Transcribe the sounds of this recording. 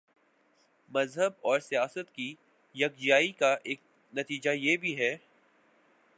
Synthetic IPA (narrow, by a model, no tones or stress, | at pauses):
mɐzɦəbɔːɾsijaːsət̪ki | jɐk̚d͡ʒijaːikaʔeːk̚ | nɐt̪iːd͡ʒajeːbʱiɦɛː